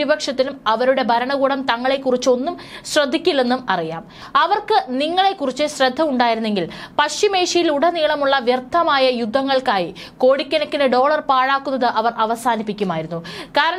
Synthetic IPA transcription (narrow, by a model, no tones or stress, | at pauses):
ibɐkʂɐt̪ːinumɐʋɐɾuɽe̞bʱɐɾɐɳɐɣuːɽɐmt̪ɐŋːɐɭe̞kːurit͡ɕːo̞nːumɕrɐd̪ʱːikʲːilːe̞nːumɐrija̰ːm | ɐʋɐrkɨniŋːɐɭe̞kːurit͡ɕːɨɕrɐd̪ʱːɐmuɳɖaːjiɾunːe̞ŋɡilpɐɕime̞ːʂɐjiluɽɐniːɭɐmuɭːɐʋjɐrt̪ʰːɐmaːjɐjud̪ʱːɐŋːɐɭkaːji | ko̞ːɽikʲːɐnɐkːinɐɖo̞ːɭɐrpaːɻaːkːunːɐðɨʔɐʋɐrʔɐʋɐsaːnipːikʲːumaːjiɾunːukaːɾɐɳ